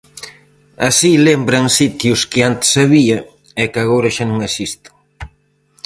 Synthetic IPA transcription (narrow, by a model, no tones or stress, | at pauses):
asilembɾɐŋsit̪jʊskɪant̪ɪ̥saβiɐ | ɛkaɣowɾɐʃanõŋesist̪ʊ̥